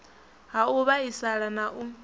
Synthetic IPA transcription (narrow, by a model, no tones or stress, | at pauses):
ɦauβaisaɺanaʔu